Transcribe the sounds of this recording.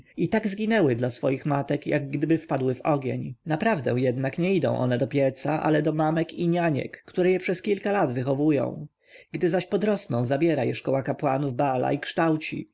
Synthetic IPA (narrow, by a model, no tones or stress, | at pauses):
it̪aɡzɡʲinɛwɘd̪lasfɔjixmat̪ɛkja̰ɡːd̪ɘbɘfpad̪wɘvɔɡʲḛɲnapɾavd̪ɛ̃w̃jɛd̪nakɲɛid̪ɔ̰̃w̃ʔɔ̰nɛd̪ɔpʲjɛɾt̪saʔa̰lɛd̪ɔmamɛkiɲaɲɛ̰kːt̪uɾɛjɛpʂɛskʲilkalad̪vɘxɔvujɔ̰̃w̃ | ɡ̥d̪ɘzaɕpɔd̪ɾɔsnɔ̃w̃zabʲjɛɾajɛʂkɔwakapwanuvbala̰ikʂt̪awt͡ɕḭ